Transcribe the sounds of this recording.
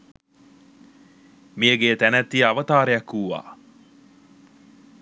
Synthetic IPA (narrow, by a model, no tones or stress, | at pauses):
miəɡeːt̪ænæt̪ːiaʋət̪aːɾejakːuːʋa̰ː